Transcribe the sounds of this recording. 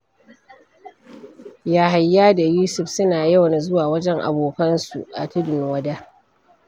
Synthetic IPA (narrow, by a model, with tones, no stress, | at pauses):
jaː˨ɦa˨jːaː˦da˨juː˦sʊ˨ɸsʊ˦naː˨jɐ˦wɐ˨n˨zʊ˦waː˨wɐ˦d͡ʒɛ˦ŋʔa̰˨boː˨kɐ˦nsṵ˨ʔa̰˨tɪ˦dɪ˨nwɐ˦da˦